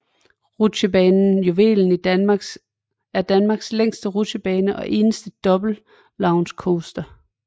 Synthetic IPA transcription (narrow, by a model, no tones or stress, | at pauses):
ʁuɕəbɛːnn̩joʋe̝̰ːln̩id̥ɑɡ̥ | æɐd̥ænmɑ̈ːɡ̥sleŋ̰sd̥əʁuɕəb̥ɛːnəʔɒ̽ʔe̝ːnəsd̥əd̥ɒ̽b̥l̩ | lɑ̈ʊnskʰoːsd̥ɐ